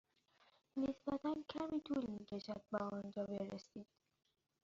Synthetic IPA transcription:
nesb̥æt̪ʰæncʰæmiːt̪ʰuːlmiːcʰeʃæd̪̚bæɒːnd͡ʒɒːbeɾesiːd̪̥

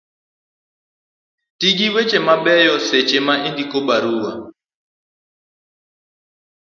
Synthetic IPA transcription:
tiɡiwet͡ʃemabɛjɔset͡ʃemaindikobaɾuwa̰

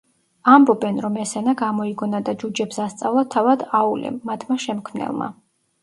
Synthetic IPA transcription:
ambɔbɛnɾɔmɛsɛnaɡamɔiɡɔnad̪ad͡ʒud͡ʒɛpsast̪sʼa̰vlˠat̪ʰavad̪aulɛ̰mːat̪ʰmaʃɛmkʰmnɛ̰lˠma̰

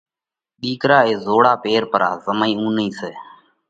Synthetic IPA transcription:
ɗiːkɾaːeːzoːɽaːpeːɾpəɾaːzəmaĩːũːnĩːseː

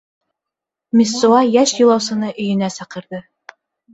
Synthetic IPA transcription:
mʲisːuɑjæʃjɤ̆lˠɑwsɤ̆nɤʔɵ̆jɵ̆næsɑqɤ̆ɾðɤ

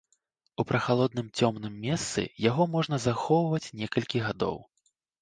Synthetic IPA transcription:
upɾɐxalˠɔd̪̚nɨmt͡sʲɔmnɨmːʲɛst̪sɨ̰jaɣɔmɔʐn̪ɐzaxɔwvɐt͡sʲnʲɛkɐlʲkʲiɣad̪ɔ̰w

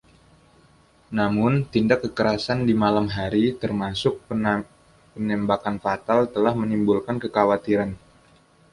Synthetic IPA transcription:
namʊnt̪indakːəkəɾasandimalamɦaɾit̪ərmasʊk̚ | pənɛmbakanfat̪alt̪əlahmənimbulkankəkawat̪iɾan

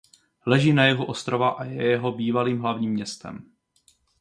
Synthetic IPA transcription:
lɛʒiːnajɛɦoʔost̪ɾovaʔajɛjɛɦo̞biːvaliːmɦlavɲiːmɲɛst̪ɛ̰m

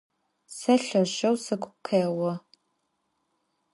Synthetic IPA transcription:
sɐɬɐʑɐwsɨkʷʰʼʊkʷʰeːwɔ

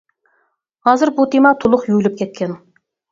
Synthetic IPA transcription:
hɑzɨɾbut̪ʰemɑt̪ʰʊlˠʊqjylɪp̚kʲʰet̪̚kʲʰen

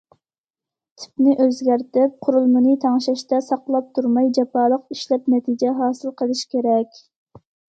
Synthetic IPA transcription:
t̪ʰɪ̥pnɪʔøzɡʲæɾt̪ɪp̚qʰʊɾulˠmɨnɨt̪ʰɑŋʃɛʃt̪ɛsɑqlˠɑp̚t̪ʰuɾmɑjd͡ʒɛpɑːlˠəqiʃlɛpnɛt̪ʰid͡ʒɛɦɑːsɨlˠqʰəlˠɨʃkʲʰeɾɛkʲ

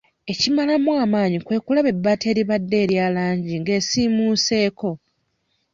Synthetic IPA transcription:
e̞cimalamwaːmaːɲikwe̞ːkulaβe̞bːate̞ːɾiβadːe̞ːɾjaːlaːɲɟiŋɡe̞ːsiːmuːse̞ːko̞

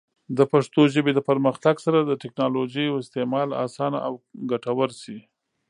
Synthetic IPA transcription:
d̪əpaʂt̪oʒəbed̪əpaɾməxt̪aɡsaɾad̪əʈɪknɑloʒəjawɪst̪emɑlɑ̰sɑna̰ʔawɡaʈawəɾsi

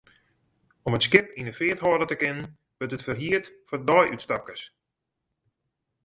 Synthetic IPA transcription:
ɔmətskɪp̚inəfɪəthɔːdətəkɪnən | ʋətətfərɦiətfɔdɔjʔytstap̚kəs

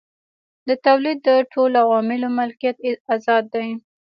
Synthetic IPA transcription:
d̪ət̪awlid̪ːəʈʰolawɑmɪlomalkijat̪azɑd̪ːaj

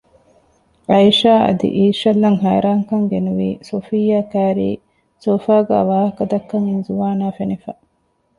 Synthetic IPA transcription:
ɐjʃaːʔɐ̰d̪ḭʔiːʃɐlːɐŋɦæːɾaːŋkɐŋɡenuʋḭːsofijːaːkæːɾḭː | soːfaːɡæ̰ːʋaːhɐkɐd̪ɐkːɐŋinzuʋaːnaːfenifæ

